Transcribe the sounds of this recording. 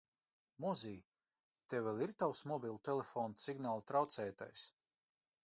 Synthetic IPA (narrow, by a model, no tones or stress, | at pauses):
mɔziː | t̪ewvʲɛlˠiɾt̪awsmɔbʲilˠt̪elefɔːnsiɡnaːlˠt̪ɾawt̪sɛːt̪a̰js